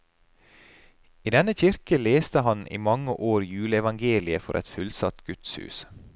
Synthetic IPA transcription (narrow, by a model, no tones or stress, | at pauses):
iːd̪ɛnəçɪɾkəleːst̪əhɑnḭːmɑŋəʔoːɾjʉːləɛʋɑŋɡeːlɪəfɔ̰ɾʔɛ̰t̪fʉlsɑt̪ɡ̥ʉt̪shʉ̰ːs